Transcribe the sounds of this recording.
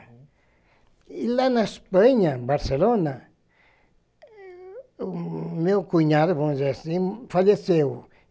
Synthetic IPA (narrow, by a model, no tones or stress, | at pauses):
ilanãspaɲãbaɾselonã | mĩokuiɲãðeβozesifaʎeseo